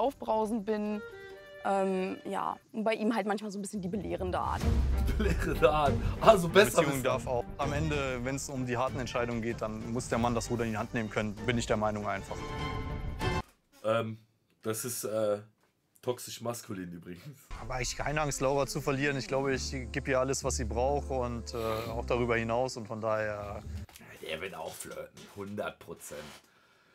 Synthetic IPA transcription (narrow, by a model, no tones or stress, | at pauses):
ʔaʊfb̥ʁaʊzn̩bɪn | ʔɛːmja̰ːʊntb̥aɪʔiːmɦaltmançmaːlzoːnbɪsçəndiːbəleːʁəndəʔa̰ːɐtd̥iːbəleːʁəndəaːɐtʔazobɛsbət͡sɐiːʊŋəndaɐfaʊamʔɛndəvɛnsʊmdiːɦaɐtn̩ɛntʃaɪdʊŋənɡeːt̚d̥anmʊsd̥eːɐmandasʁ̥uːdɐɪndihantneːmənkʰœnənbɪnɪçd̥eːɐmaɪnʊŋʔaɪnfaχ | ʔɛːm | d̥asɪstʔɛː | tʰɔksɪʃmaskʰuliːnʔyːbʁɪɡŋ̩shaːbaɪŋlɪçkʰaɪnəʔaŋslaʊʁɐt͡sufɛɐliːʁənɪçɡ̥laʊbəɪçɡ̥eːpiːɐaləsv̥asz̥iːbʁaʊxʊntɛːaʊxd̥aʁyːbɐhɪnaʊsʊntfɔndaːheːɐ | d̥ḛːɐvɪla̰ʊfflø̰ːtn̩hʊndɐt̚pʁ̥ot͡sɛ̰nt